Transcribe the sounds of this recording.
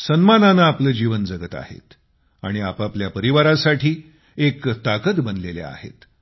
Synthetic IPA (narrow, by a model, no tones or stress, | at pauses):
sənmananaːpləːd͡ʑiʋənd͡zəɡət̪a̰hḛt̪ | a̰ɽ̃iapapljapəɾiʋaɾasaʈʰiː | ekt̪akət̪bənlelḛa̰hḛt̪